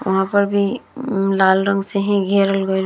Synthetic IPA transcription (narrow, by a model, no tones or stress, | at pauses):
ʋɐ̰ɦãpɐɾbʱilaːlɾə̃ŋɡseɦɛ̃ɡʱeːɾəlɡoɾ